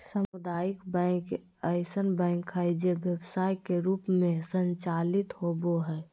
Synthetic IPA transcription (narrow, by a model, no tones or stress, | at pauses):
səmʊd̪aːjikbɛ̃k | əɪsənbɛ̃ːŋkɦɛd͡ʒebjəbsaːjkeɾuːpmẽsəɲt͡ʃalɪt̪hoboɦɛː